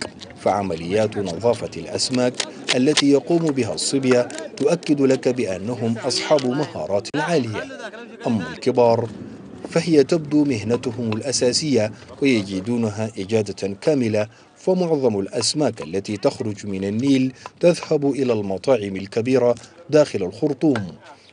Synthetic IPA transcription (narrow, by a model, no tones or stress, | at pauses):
faʕamalɪjːaːt̪nɑðˤɑːfɑlʔa̰smaːkʔalːat̪iːjɑquːmbɪɦasˤːɨbjat̪ʊʔakːɪd̪lakabɪʔanːaɦʊmʔɑsˤħɑːbmahɑ̰ːɾˤɑːt̪ʕaːlɪja | ʔamːalkɪbɑːɾˤ | faɦɪjat̪ab̚d̪uːmɪɦnat̪ʊhʊmalʔasaːsɪjːawɪjad͡ʒiːd̪uːnaɦaːʔɪd͡ʒaːd̪akaːmɪla | famʊʕðˤɑmalʔasmaːkalːat̪it̪axɾʊd͡ʒmɪnanːiːlt̪aðhabʔɪlaːlmɑt̪ˤɑːʕɪmalkabiːɾad̪aːxɪlalxʊɾt̪ˤuːm